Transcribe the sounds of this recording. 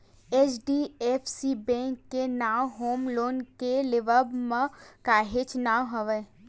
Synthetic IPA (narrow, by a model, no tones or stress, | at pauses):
et͡ʃɖiːepʰsibɛ̃ːŋkːenaːʋɦoːmloːnkelɪʋəbməkaːɦɪt͡ʃnaːwɦəʋə